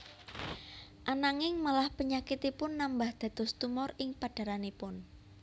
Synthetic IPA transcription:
ʔanaŋɪŋmalahpəɲakit̪ipʊnːambahd̪̥ä̤d̪̥ɔ̤st̪umɔrɪŋpaɖ̥a̤ɾanepʊn

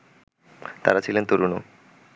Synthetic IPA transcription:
t̪a̰ɾat͡ɕʰilent̪oɾuno̰

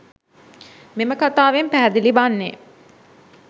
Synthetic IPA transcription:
meməkat̪aːʋempæɦːd̪ilibanːe

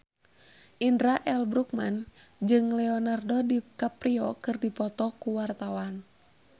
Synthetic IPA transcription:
ʔindɾaʔɛlbɾuk̚man | d͡ʒɨŋlɛɔnardɔdikapɾiɔkɨrdipɔt̪ɔkuwart̪awan

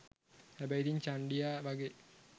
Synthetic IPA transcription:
hæbɐjid̪iɲt͡ɕaɳɖijaʋaɡe

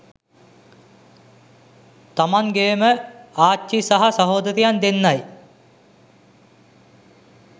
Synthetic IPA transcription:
t̪amaŋɡejeməaːt͡ʃːisaɦasɐɦoːd̪ɐɾijand̪enːaj

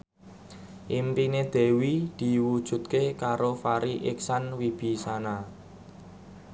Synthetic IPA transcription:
ʔimpined̪̥e̤wid̪̥i̤wud̥ʒ̥ṳt̪̚kekaɾofaɾiʔɪksanwib̥i̤sana

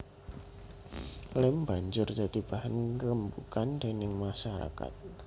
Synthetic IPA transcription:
lɪmb̥aɲd͡ʒʊrd̪̥ad̪̥i̤b̥aɦankəɾəmbukand̪̥e̤nɪŋmaʃaɾa̰ka̰t̪̚

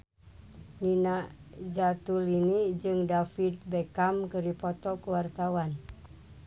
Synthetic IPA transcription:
ninazat̪ulinid͡ʒɨŋdafit̪̚bɛkamkəɾipɔt̪ɔkəwart̪awan

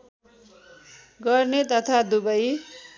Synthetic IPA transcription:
ɡʌrnet̪ʌt̪ʰad̪ubʌj

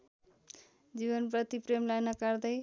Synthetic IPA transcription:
d͡ziβʌnprʌt̪ipremlajnʌkard̪ʌj

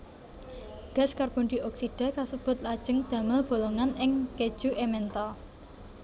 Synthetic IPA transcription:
ɡ̥a̤skarb̥ond̪i̤ʔɔksiɖ̥a̤kasəb̥ʊ̤t̪̚lad̥ʒ̥ə̤ŋd̪̥a̤məlb̥o̤loŋanɪŋked̥ʒ̥uʔemɛnt̪ɔ

